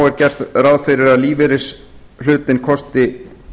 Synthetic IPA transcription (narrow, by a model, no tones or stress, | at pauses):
wɛɾcɛr̥t̪raðfɪɾɪɾaðliːvɪɾɪs | l̥ʏːt̪ɪnkʰɔst̪ɪ